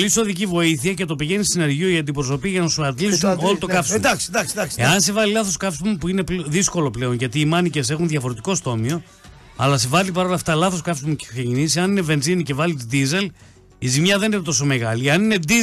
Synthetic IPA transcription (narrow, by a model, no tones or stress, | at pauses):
liso̞ðicivo̞iθiɐce̞t̪o̞piʝe̞nistine̞ɾʝioiɐnd̪ipɾoso̞piɐʝɐnɐsuɐt̪lisuno̞lot̪o̞kɐfsmɐsseɐnse̞vɐlilɐθo̞skɐfsumupuine̞pðisko̞lo̞ple̞o̞nʝɐt̪iːmɐnice̞se̞xunðʝɐfo̞ɾet̪iko̞st̪o̞mio̞ | ɐ̰lɐse̞vɐlipɐɾo̞lɐft̪ɐlɐθo̞skɐfsumucesecinisiɐnine̞ve̞nzinice̞vɐlit̪d̪ize̞l | izimɲɐðeninet̪o̞s̬o̞me̞ɣɐlieɐnine̞d̪i